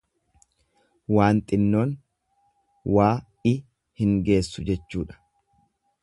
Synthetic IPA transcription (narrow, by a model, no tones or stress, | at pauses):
waːnt̪ʼɪnːo̞ːn | waː | ɪ | hɪŋɡe̞ːsːʊd͡ʒɛt͡ʃːuːᶑɐ̥